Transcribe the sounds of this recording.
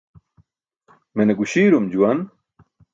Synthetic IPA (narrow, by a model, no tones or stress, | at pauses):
meneɡuɕiːɾumd͡ʑuwɐn